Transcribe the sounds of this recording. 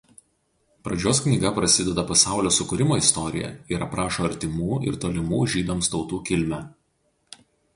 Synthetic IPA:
pɾɐd͡ʒʲoːsknʲiːˑɡɐpɾɐsʲɪd̪ʲɛd̪ɐpɐsɑˑʊlʲoːsʊkʊɾʲɪmoːɪst̪ɔɾʲɪ̰jɛ̰ɪɾɐpɾɑːʃoːɐɾʲt̪ʲɪmuːɪ̰ɾt̪oːlʲɪmuːʒʲiːd̪omst̪ɒʊt̪uːkʲɪlʲmʲæ

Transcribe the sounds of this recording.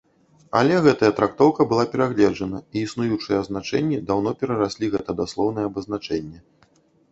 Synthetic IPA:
a̰lʲɛɣɛt̪ɐjɐt̪ɾakt̪ɔwkɐbɨlˠapʲɛɾaɣlʲɛd͡ʐɐnɐiːsnujut͡ʂɨjɛɐzn̪at͡ʂɛ̰nʲːid̪awnɔpʲɛɾɐɾasʲlʲiɣɛt̪ɐd̪aslˠɔwnɨjɛɐbɐzn̪at͡ʂɛnʲːɛ

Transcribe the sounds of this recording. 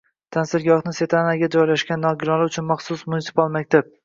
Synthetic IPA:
t̪ʰansɪɾɡʲɒhnɪse̞t̪ʰanaɡʲad͡ʒɒjlaʃɡʲanːɒɡʲɪɾɒlˠɪʊt͡ʃʰʊnmaχsʊsmʊnɪsɪ̥palˠmak̚ʲt̪ʰab̚

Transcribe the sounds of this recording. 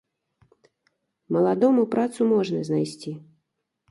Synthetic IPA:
mɐlˠad̪ɔmupɾat̪sumɔʐnɐznajsʲt͡sʲi

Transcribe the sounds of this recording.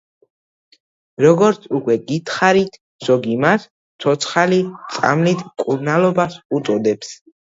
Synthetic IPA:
ɾɔɡɔɾt̪sʰukʼwɛɡit̪ʰχaɾit̪ʰ | z̥ɔɡimat̪ʰ | ɔt̪sʰχalit̪sʼa̰mlit̪ʰmkʼuɾnalɔbasut̪sʼɔd̪ɛps

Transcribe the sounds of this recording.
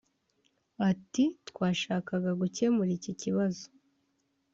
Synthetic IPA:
atitkwaːʃaːkaɡaɡuce̞muɾiciciβazo̥

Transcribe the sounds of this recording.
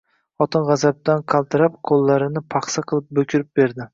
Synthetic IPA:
χɒt̪ɪnʁɑzab̚t̪anqʰɑlˠt̪ʰɪɾap̚qʰolˠːaɾɪnɪpʰɑχsaqʰɨlˠɪp̚bɵkʲʰɪɾɪp̚be̞ɾd̪ɪ

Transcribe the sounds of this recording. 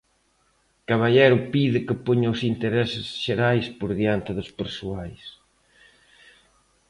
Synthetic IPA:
kaβaʎeɾʊpiðɪkɪpoɲaʊsint̪eɾɛsɪsʃeɾajspoɾðiant̪ɪðʊspeɾsuajs

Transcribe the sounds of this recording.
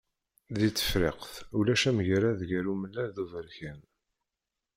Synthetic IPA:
ðit͡sːə̥fɾɪ̰qθulæʃæmʝɾæðʝəɾuməlːæðuvəɾçæn

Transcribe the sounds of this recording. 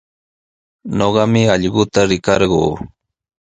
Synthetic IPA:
noɢɑmɪɑʎɢʊt̪aɾɪkɑɾɢoː

